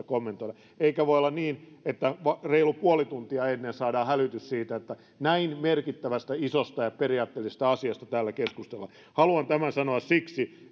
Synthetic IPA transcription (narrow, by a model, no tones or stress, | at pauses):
komːent̪oiɾɑ | eikæʋoiolːɑnniːnet̪ːæʋɑreilupuolit̪unt̪iɑenːeːnsɑːdɑːhælyt̪yssiːt̪æet̪ːæ | næinmerkit̪ːæʋæst̪æisost̪ɑjɑperiɑːt̪ːelːˑises̆t̪æɑsiɑst̪ɑt̪æːlːækeskust̪elːɑ | hɑluɑnt̪æmænsɑnoɑssiksi